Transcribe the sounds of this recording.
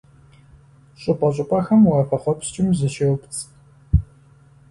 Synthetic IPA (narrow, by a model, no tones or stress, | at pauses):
ɕʼʊpʼɐɕʼʊpʼɐxɐmuɐfɐχʷɔpst͡ʃʼɪmzɨʃewpt͡sʰʼ